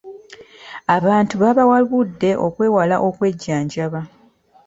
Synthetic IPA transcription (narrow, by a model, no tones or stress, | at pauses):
aβaːntuβaβawaβudːe̞ʔo̞kwe̞ːwalaʔo̞kwe̞ɟːaːɲɟaβa